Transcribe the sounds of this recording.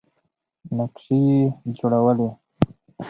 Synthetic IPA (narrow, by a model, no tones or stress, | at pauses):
nakʂejed͡ʒoɽawəle